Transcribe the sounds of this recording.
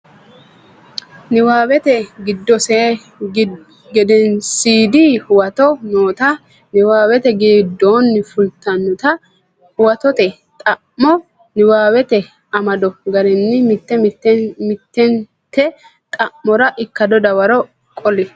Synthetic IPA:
nɪwaːwɛt̪ɛɡɪd̪ːɔse | ɡɛd̪ɛnsiːd̪ɪhʊwɐt̪ɔnoːt̪ɐ | nɪwaːwɛt̪ɛɡɪːd̪ːoːnːfʊlt̪ɐnːʊt̪ɐ | hʊwɐt̪ɔt̪ɛ | t̪ʼɐʔːɔ | nɪwaːwɛt̪ɛ | ɐmɐd̪ɔɡɐɾɛnːɪmt̪ːɛt̪mɪt̪ːɛn | t̪ːɛ | t̪ʼɐʔːɔɾɐʔɪkːɐd̪ɔd̪ɐwɐɾɔ | kʼɔlɛ

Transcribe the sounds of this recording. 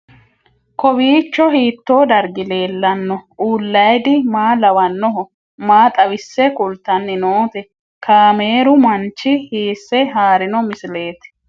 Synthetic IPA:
kɔbiːt͡ʃːɔhiːt̪ːo̞ːd̪ɐɾɡɪle̞ːlːɐnːɔʔuːlːɐjd̪ɪmaːlɐwɐnːɔɦɔ | maːt̪ʼɐwɪsːɛkʊlt̪ːɐnːɪnoːt̪ɛ | kʰaːmeːɾʊmɐnt͡ʃːɪhiːsːɛɦaːɾɪnɔmɪsɪle̞ːt̪

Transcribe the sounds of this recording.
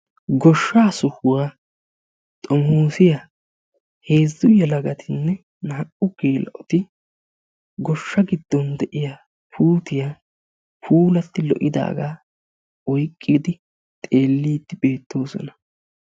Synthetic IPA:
ɡɔʃːaːsʊhʊwaː | t̪ʼɔmhuːsɪja | heːzʊjɐlɐɡɐt̪ʰɪnːɛ | naːʔʊɡeːlɐ̰ʔɔt̪ɪ | ɡɔʃːɐɡɪd̪ːɔnd̪ɛʔɪja | pʰuːt̪ɪjaː | pʰuːlɐt̪ːɪlɔ̰ʔɪd̪a̰ːɡaː | ɔjkʼːɪd̪ɪ | t̪ʼe̞ːlːiːd̪ːɪbe̞ːt̪ːo̞ːsɔ̰nɐ

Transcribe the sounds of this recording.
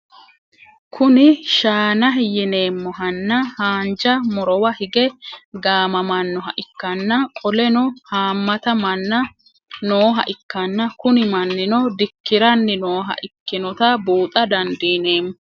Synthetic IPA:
kʰʊnɪʃaːnɐɦɪjɪne̞ːmːɔɦɐnːɐhaːnd͡ʒɐmɔɾɔwɐhɪɡɛɡaːmɐmɐnːɔɦɐʔɪkːɐnːɐkʼɔlɛnɔhaːmːɐt̪ɐmɐnːɐ | noːɦɐ̰ʔɪkːɐnːɐkʊnɪmɐnːɪnɔd̪ɪkːɪɾɐnːɪnoːɦɐ̰ʔɪkːɪnɔt̪ɐbuːt̪ʼɐd̪ɐnd̪iːne̞ːmːɔ

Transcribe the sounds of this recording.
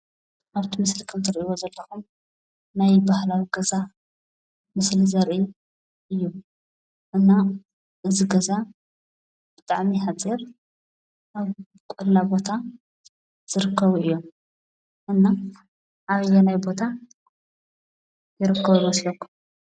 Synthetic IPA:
ʔaβt̪ʰimɨslɨkʰʼːɨmt̪ʰɨɾʔiwozɐlːɐxum | najbahlawiɡɐza | mɨslizɐɾʔi | ʔɨjːu | ʔɨnːa | ʔɨziɡɐza | b̥ɨt̪ʼaʕmiħat͡sʼiɾ | ʔaβ | kʼʊllabo̞t̪ʰa | z̥ɨɾɨkʰːɐβuɨjːo̞m | ʔɨnːa | ʔaβɨjːɛnajbo̞t̪ʰa | jɪɾɨkʰːɐβuwɔsilɐkːum

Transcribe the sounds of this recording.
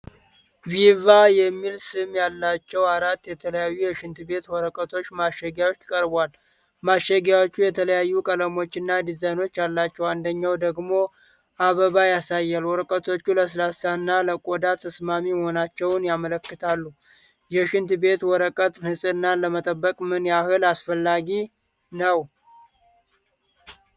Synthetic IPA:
vivajɛmːilsɨmjalːat͡ʃːɛwaɾat̪ːjɛt̪ʰələjajːujɛʃɪnt̪be̞t̪wɔɾəkʼət̪ʰo̞t͡ʃːmaʃɛɡjawot͡ʃ̪ːkʼəɾbwal | maʃɛɡjawo̞t͡ʃːujɛt̪ʰələjajːukʼələmo̞t͡ʃːɨnːad̪izano̞t͡ʃːalːat͡ʃːɛwand̪əɲːawd̪əɡmo̞ | ʔaβəβajasajːalwɔɾəkʼət̪ʰo̞t͡ʃːuləs̬lasanːaləkʼod̪at̪ʰːəsmamiməhonat͡ʃːɛwnjamələkːɨt̪ʰalːu | jɛʃɪnt̪be̞t̪wɔɾəkʼət̪ʼnɨsʼɨɨnːaləmət̪ʼəbːəkʼmɨnjahɨlasfəlːaɡi | nəw

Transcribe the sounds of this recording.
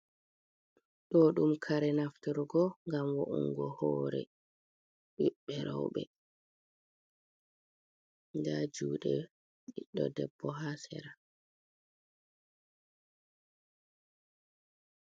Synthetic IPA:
ɗɔɗumkʰaɾɛnaftuɾɡɔŋɡamwɔʔuŋɡɔhɔːɾɛ̰ | ɓiɓːɛɾɔwɓɛ̰ | ŋdad͡ʒuːɗɛ | ɓɓiɗːɔdɛbːɔɦasɛ̰ɾa

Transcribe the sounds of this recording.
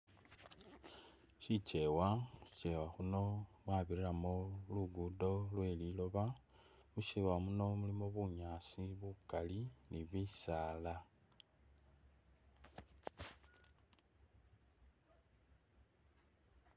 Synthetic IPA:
ʃit͡ʃe̞wai̥t͡ʃe̞waxuno̞mwaːβirilamoluɡudo̞lwe̞ːlilo̞βa | muʃiwamuno̞mulimo̞βuɲaːsiβukaliniβiːsaːla

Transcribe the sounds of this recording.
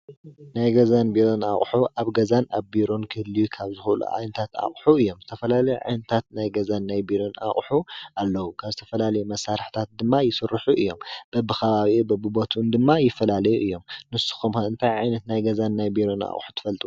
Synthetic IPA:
najɡɐzanbiɾo̞na̰χʼħuʔaβɡɐzanaβbiɾo̞nkʰɨhɨlːijukʰaβzɨxulṵʕa̰jnɐt̪ʰat̪a̰χʼħuɨjːo̞mzɨt̪ʰɐfɐlalɐjuʕa̰jnɐt̪ʰat̪najɡɐzanːajbiɾo̞na̰χʼħuʔalːɐwukʰaβzɨt̪ʰɐfɐlalɐjumɐsːaɾɨħt̪ʰat̪̚d̪ɨmːajɪsɨrːɨħuʔɨjːo̞̰mb̥ɐbɨxʰɐβaβibɐbɨbot̪ʰund̪ɨmːajɪfːɐlalɐjuʔɨjːo̞mnɨsu̥xumoɨnt̪ʰajʕajnɐt̪najɡɐzanːajbiɾo̞na̰χʼħu̥t̪ʰɨ̥fɐlt̪ʼu

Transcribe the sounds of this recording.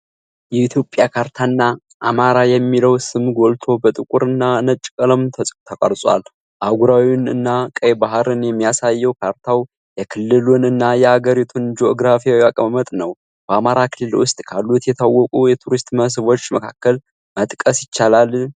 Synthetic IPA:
jɛit̪ʰjo̞pʼːjakʰaɾt̪ʰanːa | ʔːmaɾajɛmːiləwsɨmɡo̞lt̪ʰo̞bət̪ʼɨkʼuɾɨnːanət͡ʃʼkʼələmt̪ʰəkʼəɾsʼwa̰l | ʔaɡuɾawinɨ̰nːakʼəjbaɦɾɨnjɛmːijasajːɛwkʰaɾt̪ʰaw | jɛkʰɨlːɨlunɨnːajɛhaɡəɾit̪ʰund͡ʒooɡɾafijawakʼəməmət̪ʼnəw | b̥əamaɾakʰɨlːɨlwʊst̪ʼkʰalːut̪jɛt̪ʰawːɔkʼujɛt̪ʰuɾist̪ʼməs̬ɨβo̞t͡ʃːməkʰakːəl | mət̪ʼkʼəsjɪt͡ʃːalal

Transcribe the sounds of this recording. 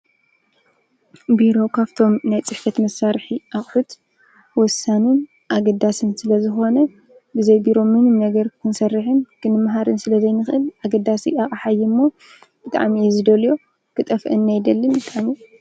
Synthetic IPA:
biɾo̞kʰaβt̪ʰo̞mnajt͡sʼɨħfɐt̪mɐsːaɾħiʔaχʼħut̪ | wɔsːanun | ʔaɡɐd̪asɨnsɨlɐzɨxo̞nɐ | bɨzɐjbiɾo̞mɨnɨmnɐɡɐɾkʰɨnsɐrːɨħɨnkʰɨnɨmːɦaɾɨnsɨlɐzɐjnɨxɨʔɨlʔaɡɐd̪ːasiaχʼaħajːɪmːo̞ | b̥ɨt̪ʼa̰ʕmizɨd̪ɐljo | kʰɨt̪ʼɐfʔɨnːajd̪ɐlːɨnbɨt̪ʼaʕmi

